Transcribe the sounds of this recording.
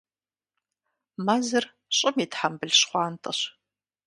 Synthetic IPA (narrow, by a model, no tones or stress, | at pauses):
mazɨr | ɕʼɪmitħambɨɮɕχʷɑːntʼɐ̰ɕ